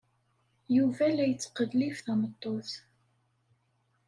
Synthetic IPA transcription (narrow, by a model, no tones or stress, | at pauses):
juvælæjət͡sːə̥qəðlifθæmət̪ˤːoθ